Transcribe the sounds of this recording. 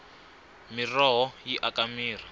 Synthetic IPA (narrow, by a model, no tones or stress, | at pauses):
mirɔɦɔjiʔakamiːra